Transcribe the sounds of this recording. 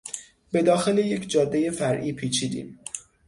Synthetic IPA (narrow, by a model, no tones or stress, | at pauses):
be̞d̪ɒːxe̞le̞je̞cʰd͡ʒɒːd̪ːe̞je̞fæɾʔiːpʰiːt͡ʃʰiːd̪ḭːm